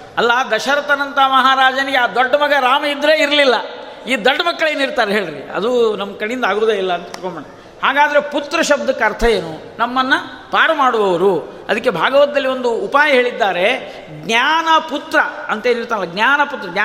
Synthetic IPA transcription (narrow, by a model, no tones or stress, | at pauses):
ɐlːɐd̪ɐʃɐɾɐt̪ɐnɐnt̪ɐmɐɦaɾaːd͡ʒɐniɡeaːd̪oɖːɐmɐɡɐɾaːmɐid̪ɾeːiɾɐlilːɐ | iːd̪oɖːɐmɐkːɐɭeːniɾt̪aːɾeɦe̞ːɭɾḭɐ̰d̪unɐmkɐɽijind̪aːɡɾud̪ɐilːɐːnt̪ɐiɾkombɐɳɐ | haːɡaːd̪ɐɾe̞put̪ɾɐʃɐb̚d̪ɐkːɐɾt̪ʰɐje̞ːnu | nɐmːɐnːɐ | paːɾɐmaːɽuʋɐʋɐɾuɐd̪ɐkːe̞bʱaːɡɐʋɐt̪ɐd̪ɐlːio̞nd̪uːpaːjɐɦe̞ːɭid̪ːaːɾe̞ | ɡnjaːnɐput̪ɾɐɐnt̪ɐeːniɾt̪aːnilːɐɡnjaːnɐput̪ːɾɐɡa